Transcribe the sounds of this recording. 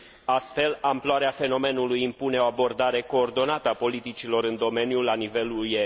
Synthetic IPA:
ast̪fe̞lamploaɾeafe̞no̞me̞nulujimpune̞o̞abo̞rd̪aɾe̞ko̞ːrd̪o̞nat̪əapo̞lit̪it͡ʃilo̞ɾɨnd̪o̞me̞njulanive̞luje

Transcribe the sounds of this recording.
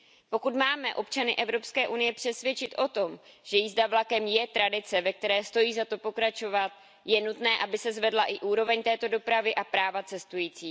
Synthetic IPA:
po̞kut̪maːmɛʔo̞pt͡ʃanɪʔɛvɾo̞pskɛːʔunɪjɛpr̝̥ɛsvjɛt͡ʃɪt̪ʔo̞t̪o̞mʒ̥ɛjizdavlakɛmjɛt̪ɾadɪt͡sɛvɛk̚t̪ɛɾɛːst̪o̞jiːzat̪o̞po̞kɾat͡ʃo̞vat̪̚ | jɛnut̪nɛːʔabɪsɛzvɛdlaʔɪʔuːɾo̞vɛɲt̪ɛːt̪o̞do̞pɾavɪʔapɾaːvat͡sɛst̪ujiːt͡siː

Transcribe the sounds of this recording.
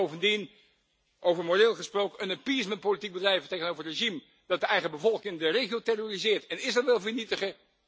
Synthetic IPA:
owvəndin | ʔowvəɹmorɪːlˠχəsprowkəənəpismənt̚powlitik̚bədrɛjvəteχənowvəɹətreʒim | d̥ɑt̚dəɛjχəbəvɔlˠkɪŋdərejχiowtɛrorizɪːɹtɛnɪsʋɛlˠvəɹnitəχə

